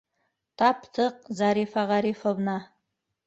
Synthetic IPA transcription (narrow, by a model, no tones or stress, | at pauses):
t̪ʰɑpt̪ʰəq̚zɑɾifɑʁɑɾifovnɑ